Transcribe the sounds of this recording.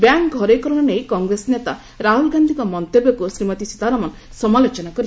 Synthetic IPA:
bjaŋkɡʱɔɾekɔɾɔɽ̃ɔnejkɔŋɡɾesnet̪a | ɾaɦulɡand̪ʱikɔmɔnt̪ebjɔkusɾimɔt̪isi̥t̪aɾamɔn | sɔmalot͡ʃɔnakɔɾi

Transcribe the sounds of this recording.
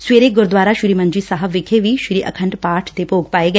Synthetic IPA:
sweːɾeɡʊɾd̪ʋaːɾaːʃɪɾiːmə̃ɲd͡ʒiːsaɦəʋɪkʰeʋiːʃɾiːʔə̰kʰə̃ɳʈpaːʈʰd̪eːpoːɡpaːeːɡə

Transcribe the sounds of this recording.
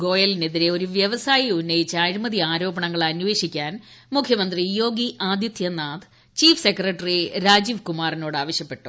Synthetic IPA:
ɡo̞ːjɐline̞ðiɾe̞o̞ɾuʋjɐʋɐsaːjiunːɐjit͡ɕːɨaːɾumɐðiaːɾo̞ːbɐɳɐŋːɐɭɐnːʋe̞ːɕikʲːaːn | mukʰjɐmɐnd̪rijo̞ːɡiʔʔaːd̪jɐt̪jɐnaːd̪ | t͡ɕiːfʰsekrɐʈːɐriɾaːd͡ʑiʋkumaːrino̞ːɽaːʋɐɕjɐpːe̞ʈːu̥

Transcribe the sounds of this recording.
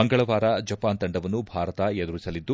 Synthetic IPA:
ɐŋɡɐɭɐʋaːɾɐd͡ʒɐpaːnt̪ɐɳɖɐʋɐnːubʱaːɾɐt̪ɐjed̪uɾisɐlid̪ːu

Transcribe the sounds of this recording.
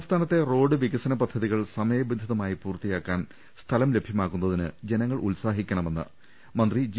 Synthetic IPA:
st̪ʰaːnɐt̪ːe̞ro̞ːɖɨʋiɣɐsɐnɐpɐd̪ʱːɐðiɣɐɭsɐmɐjɐbind̪ʱiðɐmaːjipuːrt̪ːijaːkːaːn | st̪ʰɐlɐmle̞bʱjɐmaːkːunːɐðinɨ̰d͡ʑe̞nɐŋːɐɭʔṵlsaːɦikʲːɐɳɐme̞nːɨ̰ | mɐnd̪rid͡ʑ

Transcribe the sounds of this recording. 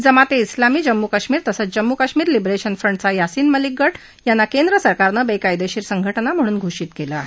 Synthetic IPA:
d͡zəmat̪eislamiːd͡ʑəmːukaɕmiːɾt̪əsət͡sd͡ʑəmːukaɕmiːɾlibɾeɕənfɾəɳɖt͡sajasiːnməlik̚ɡʱːəʈ | janːakend̪ɾəsəɾkaɾnəbekajd̪eɕiːɾsəŋɡʱəʈnam̤əɽ̃uːnɡʱoɕiːt̪kela

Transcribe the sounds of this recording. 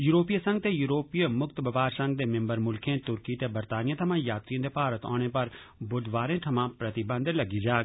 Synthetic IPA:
juːɾoːpijasə̃ŋɡ̚t̪ejuːɾoːpijmʊkt̪bɐbaːɾsɐ̃ŋɡ̚d̪eːmɪ̃mbəɾmʊlkʰẽːt̪ʊɾkit̪ebəɾt̪aːnijãːt̪ʰɐmãːjaːt̪ɾiə̃d̪epaːɾət̪ɔ̰̃ːñepɐɾ | bʊd̪ʋaːɾẽːt̪ʰɐmãːpɾɐt̪ɪbə̃nd̪lɐɡid͡ʒaːɡ

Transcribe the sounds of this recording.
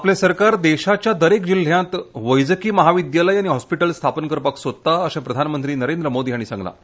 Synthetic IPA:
aplẽsəɾkaɾd̪eɕat͡ɕjad̪əɾekd͡ʑil̤jãt̪ʋəjd͡zəkiːməɦaʋid̪jaləjañiɦɔspiʈəlst̪ʰapənkəɾpaksod̪̚t̪aəɕãpɾəd̪ʱanmənt̪ɾiːnəɾend̪ɾəmod̪iːɦaɽ̃isã̰ŋɡla̰

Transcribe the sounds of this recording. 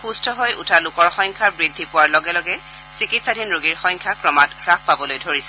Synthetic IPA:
xustʰɔɦojʔṵtʰalʊkɔɹxɔjŋkʰaɹbɹidʱːipʊwaɹlɔɡɛlɔɡɛ | sikitsadʱinɹoɡiɹxɔ̃jŋkʰjakɹɔmatɹak̚ʰpabɔlojdʱoɹisɛ

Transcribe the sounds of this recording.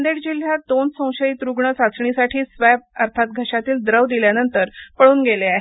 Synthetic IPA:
nd̪eɽd͡ʑilɦjad̪onsə̃w̃ɕəit̪ɾuɡɳəsat͡sɳisaʈʰiːsʋab̚əɾt̪ʰat̪̚ɡʱəɕat̪iːld̪ɾəʋd̪iljanənt̪əɾpəɭuːnɡeleaɦe

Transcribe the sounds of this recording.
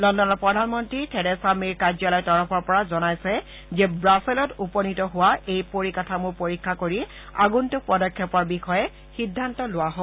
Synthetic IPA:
lɔndɔnɔpɹɔdʱanmɔntɹitʰɛɹɛsamiɹkazɔlɔjtɔɹɔpʰɔɹpɔɹazɔnajsɛ | zɛbɹasɛlɔtupɔnitɔɦʊwaejpoɹikatʰamʊɹpoɹikʰːakoɹi | a̰ɡuntʊpɔdɔkʰːjɔpɔɹbixɔjɛ | xidʱːantɔlʊwaɦɔ

